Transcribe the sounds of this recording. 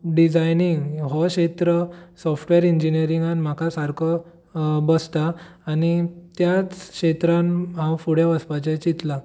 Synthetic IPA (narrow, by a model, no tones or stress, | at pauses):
ɖid͡zajniŋɡɦɔɕet̪ɾəsɔfʈʋeɾiɲd͡ʑinijəɾiŋɡanm̤akʰasaɾkʰə | bəst̪aː | nit̪jat͡skɕet̪ɾanɦãwfuɽjaʋəspat͡ɕẽt͡ɕit̪la